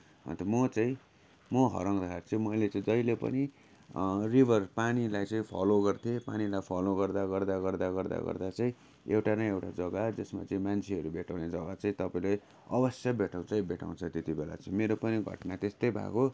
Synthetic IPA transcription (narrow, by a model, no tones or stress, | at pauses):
ɦʌ̰nt̪ʌmʌt͡saĩ | mʌɦʌ̰ɾʌŋd̪akaɾt͡sʌĩmʌjlet͡sãĩd͡zʌjlepʌ̰ni | ribʱʌrpanilajt͡sʌ̃ĩpʰʌ̰loɡʌrt̪ʰiepa̰nilajpʰʌloɡʌrd̪aɡʌrd̪aɡʌrd̪aɡʌrd̪a̰ɡʌ̰rd̪at͡saĩ | ewʈanʌjewʈad͡zʌɡad͡zʌsma̰t͡saĩmant͡sʰiɦʌɾubʱeʈʰaw̃ned͡zʌɡat͡saĩt̪ʌpaĩle | ʌbʌsjabeʈʰaw̃t͡saĩbʱeʈʰa̰w̃t͡sʰʌt̪et̪ibela̰t͡sʌĩmeɾopʌniɡʱʌ̰ʈnat̪est̪ʌjbʱa̰ko